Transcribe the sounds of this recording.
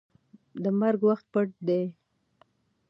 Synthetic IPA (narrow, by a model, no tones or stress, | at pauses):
d̪əmaɾɡwaxt̪̚pəʈ̚d̪e